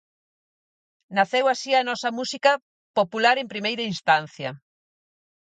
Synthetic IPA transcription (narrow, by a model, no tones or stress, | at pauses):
naθewasianɔsɐmusikɐ | populaɾẽmpɾimejɾɐinst̪an̟θjɐ̰